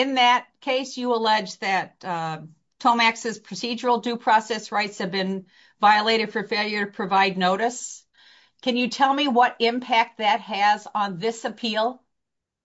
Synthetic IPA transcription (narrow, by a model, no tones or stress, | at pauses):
ɨ̃nðɨt̚kʰeɪsjɨəlɛd͡ʒðɨt̚ | tʰõʊ̃mæksɨz̥pʰɹ̥ɨsid͡ʒə˞l̩ˠdʉpʰɹ̥ɔsɛsɹaɪtshɨvbɨ̃n | vaɪəleɪɾɨd̥fə˞feɪlˠjə˞ɾɨpʰɹ̥ɨvaɪdⁿnoʊɾɨs | kʰɨ̃njɨtʰɛlˠmiwʌɾɪ̃mpʰæk̚t̪̚ðɨt̚hɨzn̩ðɪsɨpʰilˠ